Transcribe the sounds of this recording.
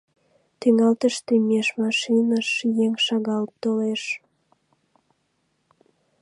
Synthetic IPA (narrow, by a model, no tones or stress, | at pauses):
t̪yŋɑlt̪əʃt̪emeʃmɑʃinɑʃjeŋʃɑɣɑl̚t̪oleʃ